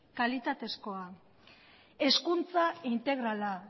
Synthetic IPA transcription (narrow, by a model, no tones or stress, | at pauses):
kalit̪at̪e̞sko̞a | e̞skunt͡saint̪e̞ɣɾala